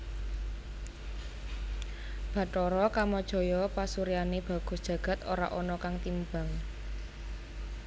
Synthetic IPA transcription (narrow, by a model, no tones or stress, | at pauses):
b̥ä̤ʈɔɾɔkamɔd̥ʒ̥ɔ̤jɔpasuɾianeb̥ä̤ɡ̥ɔ̤sdʒ̥ä̤ɡ̥ä̤t̪o̰ɾa̰ʔɔnɔkaŋt̪imbaŋ